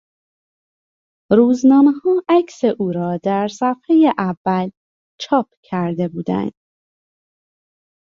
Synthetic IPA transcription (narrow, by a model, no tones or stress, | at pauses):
ɾuːznɒːmehɒːʔæcʰseʔuːɾɒːd̪æɾsæfhejeʔævːæl | t͡ʃʰɒːp̚ʰcʰæɾd̪e̞buːd̪æ̰nd̪̥